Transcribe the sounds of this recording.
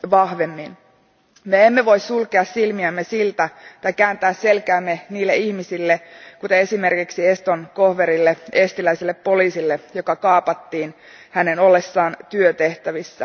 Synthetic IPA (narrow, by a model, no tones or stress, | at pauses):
ʋɑhʋe̞mːin | me̞emːe̞ʋo̞issulke̞ɑssilmiæmːesilt̪æt̪ɑjkæːnt̪æːsse̞lkæːmːe̞niːlːe̞içmisilːekut̪ee̞sime̞rkiksie̞st̪onko̞hʋe̞ɾilːee̞st̪ilæisilːepːo̞liːsilːejo̞kɑkɑːpɑt̪ːiːn | hæne̞no̞lːesːɑːnt̪yøt̪e̞ht̪æʋisːæ